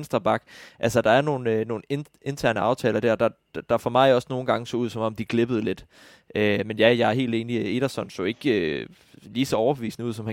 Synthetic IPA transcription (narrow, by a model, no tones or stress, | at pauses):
nsd̥ʁɐb̥ɑ̈ɡ̥ʔælsəd̥ɑ̈æɐno̝ːn̩øno̝ːn̩e | e̝nt͡sʰæɐnəɑ̈ʊt͡sʰɛ̰ːlɐd̥æɐ̰d̥ɑ̥̈ | d̥ɑ̈fɒmɑ̈ɪɒ̽sno̝ːn̩ɡ̥ɑ̈ŋəsɒ̽uð̞̰ˠsɒ̽mɒ̽md̥iɡ̥le̝b̥əð̩ˠle̝d̥ | ʔømenjæjɑ̈ɪæɐɦe̝̰ːld̥e̝ːnie̝ɾ̥ɐsɒ̽nso̰e̝ɡ̥ø | liːsɒ̽ɒʊɐb̥eʋḭːsnəuð̰ˠsɒ̽mhæ